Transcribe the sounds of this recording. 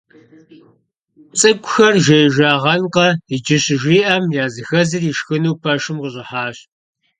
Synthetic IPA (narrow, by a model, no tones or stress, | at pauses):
t͡sʼɨkʷʼʊxɐrʒejʒʷaːʁɐnqɐid͡ʒɪɕʒʷiːʔɐmjaːzɨxɐzɨriːʃxɨnuwpʰɐʃɨmqəɕʼɪħaːɕ